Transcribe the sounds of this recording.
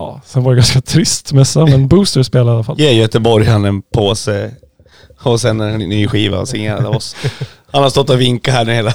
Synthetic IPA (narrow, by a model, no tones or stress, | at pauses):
ɑ̰ːsɛnvaɾɛɡanskat̪ʰɾɪst̪mɛsːamɛnbuːst̪əspeːlaɾalafa̰ljeːjœt̪əbɔɾjhanɛnpʰoːsɛj | ɔsɛnɛnːyːɧiːva̰sɪŋːḛːɾa̰d̪vɔs | hanhast̪ɔt̪ːɔvɪŋkahæːɳʉːheːla